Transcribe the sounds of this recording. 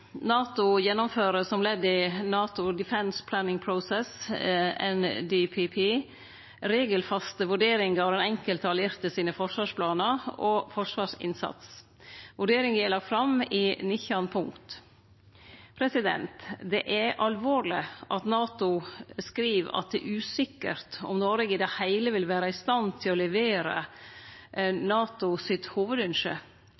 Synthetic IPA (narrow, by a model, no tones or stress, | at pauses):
nɑːt̪ʊjɛnːɔmføːɾəsɔmlɛd̪ːɪnɑːt̪ʊd̪ɪfɛnspʰlæːnɪŋpʰɾʊsɛs | ɛ̰nd̪ipʰipʰi | ɾeːɡəlfɑst̪əʋʉɖeːɾɪŋɡɑʋɛnɛŋkəlt̪ʰɑlɪɾt̪əsiːnəfɔʂʋɑːʂpʰlɑːnəɾɔfɔʂʋɑːʂɪ̰nsɑ̰t̪s | ʋʉɖeːɾɪŋɛlɑk̚t̪fɾɑmɪnɪçɑnpʰʊŋkt̪ | pʰɾɛsɪd̪ɛ̰nt̪d̪ɛʔæɾʔɑlʋoːɾlɪʔɑt̪nɑːt̪ʊskɾiːʋɑ̰t̪̚d̪ɛ̰ʔʉːsɪkːə̰ɾt̪ɔ̰mnoːɾeɡəd̪ɛhæɪləʋɪlʋæːɾəɪst̪ɑnt̪ʰɪlɔlɛʋeːɾə̰ | nɑːt̪ʊsɪt̪huːʋəd̪ʉnʂə̰